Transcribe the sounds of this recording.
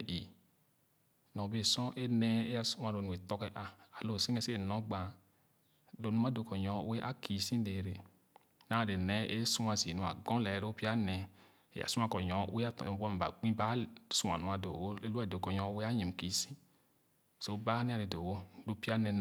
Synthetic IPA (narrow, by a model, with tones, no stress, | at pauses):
i˨ | nɔ̃˨be˨sɔ̃˦ʔe˦nɛ˦e˦a˦su˦a˨ɾo˨nũ˨e˨t̪ɔ˦kɛ˨ʔa˨a˨lo˨si˦ŋɛ˦se˦˨nɔ̃˨˦ɡ͡bã˨ | lo˨nũ˦a˦do˨kɔ˨ɲɔ̃˨˦we˦ʔa̰˦ki˨sĩ˦de˨ɾe˨ | nã˨˦˨ɾe˨nɛ˨˦ʔe˦su˦a˨zi˨nũ˨a̰˨ɡɔ̃˦lɛ˨˦lo˦pi˦a˦nɛ̃˨ | ḛ˨ja̰˨sũ˦ã˨kɔ˨ɲɔ̰̃˨˦we˦a˦tɔ̰˨˦bɔ˦m˨ba̰˨ɡ͡bĩ˦ba˦su˦a̰˨nũ˨˦a˨do̰˨wo˦le˦lu˦a˦˨do˨kɔ˨ɲɔ̃˨˦we˦a˦ɲi˨m˨ki˨sĩ̥˦˨ | so˨˦ba˦nĩ˦a˦˨le˨do˨wo˦lo˦pi˦a˦nɛ˧n˨